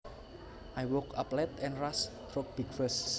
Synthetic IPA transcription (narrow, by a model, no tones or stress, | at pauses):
ʔajwɔkaplɛt̪ɛ̃nrast̪ɾok̚b̥iɡfəs